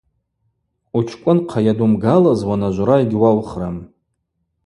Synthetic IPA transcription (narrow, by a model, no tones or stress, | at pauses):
ut͡ʃʰkʷʼʊnqʰajadumɡalazwanaʒʷɾaeɡʲwawχram